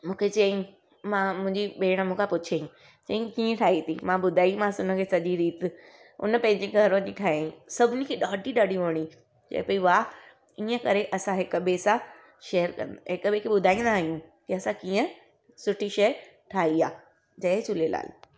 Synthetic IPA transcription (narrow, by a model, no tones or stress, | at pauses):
mũːkʰet͡ɕɐĩ | mãmʊ̃ɦɪ̃ɲd͡ʑiɓeːɽ̃əmũkʰãpʊt͡ɕʰeĩ | t͡ɕɐĩkiːə̃ʈʰaːit̪ʰimãɓʊd̪ʱaːimãsʊnəkʰeːsɐʄiɾiːt̪ɪ | ʊ̰nəpɐ̃ɦɪ̃ɲd͡ʑiɡʱɐɾʋə̃ɲiʈʰaːɦeĩsɐbʱɪnikʰeɗaːʈiɗɐɽiʋoːɽ̃i | d͡ʑɐ̰̃ɦpoːiʋaː | iːə̃kɐɾeʔɐsãɦɪkɓeːsã | ʃeːəɾkɐ̰̃nd̪ɦɪkəɓekʰeɓʊd̪ʱaːĩnd̪aːɦijũkiɐsãkiːə̃ | sʊʈʰiʃɐjəɾ | ʈʰaːɦiaː | d͡ʑɐet͡ɕʊlela̰ːl